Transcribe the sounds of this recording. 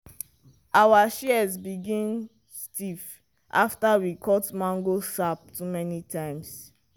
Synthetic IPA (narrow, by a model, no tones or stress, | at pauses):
ʔawaʃiɛzbiɡĩn | stif | ʔaftawikʰɔtmãŋɡosap̚tumɛnitʰãɪ̃ms